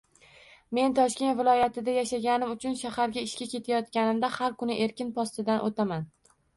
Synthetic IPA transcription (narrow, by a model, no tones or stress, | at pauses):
me̞nt̪ʰɒʃkʲe̞nt̪vɪlˠɒjat̪ʰɪd̪ajaʃaɡʲanɪmʊt͡ʃʰʊnʃahaɾɡʲaɪʃkʲakʲʰe̞t̪ʰajɒt̪kʲanɪmd̪ahaɾkʊnɪʔe̞ɾkʲɪnpʰɒst̪ɪd̪anʔot̪ʰaman